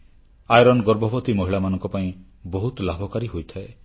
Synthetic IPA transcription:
ajɾɔnɡɔɾbʱɔbɔt̪imɔɦiɭamanɔŋkɔpaĩ | bɔɦut̪labʱɔkaɾiɦojt̪ʰae

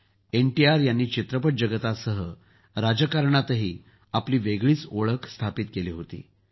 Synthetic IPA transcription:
enʈiaɾjanːiːt͡ɕit̪ɾəpəʈ̚d͡ʑəɡət̪asəɦə | ɾad͡ʑəkaɾɳat̪əɦiː | apliːʋeɡɭiːt͡soɭəkst̪ʰapiːt̪̚keliːɦot̪ḭː

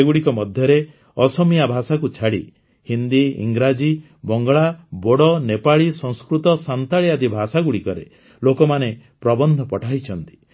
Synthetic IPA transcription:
eɡuɽikɔmɔd̪ʱjɔɾe | ɔsɔmijabʱasakut͡ʃʰaɽḭ | hind̪iḭŋɡɾad͡ʒi | bɔŋɡɔɭaboɽɔnepaɭisɔ̃ŋskɾut̪ɔsant̪aɭiad̪ibʱasaɡuɽikɔɾḛ | lokɔmanepɾɔbɔnd̪ʱɔpɔʈʰait͡ʃʰɔnt̪i̥

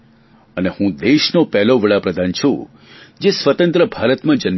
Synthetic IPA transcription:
ənehũd̪eʃnopɛɦloʋəɭapɾəd̪ʱant͡ʃʰṵ̃ | d͡ʒesʋət̪ə̃nt̪ɾəbʱaɾət̪mãd͡ʒən

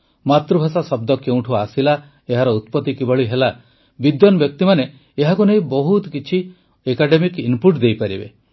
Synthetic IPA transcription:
mat̪ɾubʱasasɔb̚d̪ɔkeuw̃ʈʰuaːsila | eɦaɾɔut̪̚pɔt̪ikibɔɭiɦela | bid̪jɔnɔbjɔk̚t̪imaneː | ɦakuneĩbɔɦut̪kit͡ʃʰi | ekaɖemikinpuɾʈd̪ejpaɾibḛ

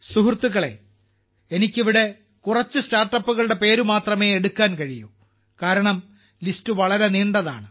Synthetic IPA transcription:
suɦurt̪ːuɣɐɭe̞̰ | enikʲːiʋiɽe̞ | kurɐt͡ɕːustaːrʈːɐpːuɣɐɭuɽe̞pe̞ːɾumaːt̪rɐme̞ːeɽukːaːnkɐɻijṵ | kaːɾɐɳɐm | listɨʋɐɭɐɾeniːɳɖɐða̰ːɳɨ

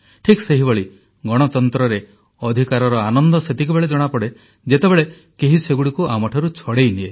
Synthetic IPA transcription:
ʈʰikseɦibɔɭi | ɡɔɽ̃ɔt̪ɔnt̪ɾɔɾe | ɔd̪ʱikaɾɔɾɔanɔnd̪ɔset̪ʰikubeɭed͡ʒɔɽ̃apɔɽe | d͡ʒet̪ebeɭe | keɦiseɡuɽikuamɔʈʰɔɾut͡ʃʰɔɽejnie

